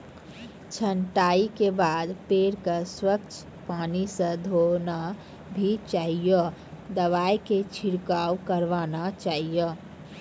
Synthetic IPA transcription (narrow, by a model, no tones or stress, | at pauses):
t͡ʃʰənʈaikebad̪peɾkəswəkt͡ʃʰ | panisə̃d̪ʱona | bʱit͡ʃaːɦijəd̪əβajket͡ʃʰiɾkawkəɾʋanat͡ʃaːɦijə